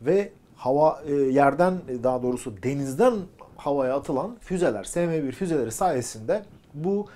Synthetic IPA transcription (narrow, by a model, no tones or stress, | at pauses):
vɛ | havajæɾd̪ænd̪aɦad̪o̞ːɾusud̪e̞nizd̪ænhavajaːt̪ʰɯlˠanfyzelʲæ̰ɾ̥semebiɾfyze̞lʲeɾisaːjesind̪ɛ | bu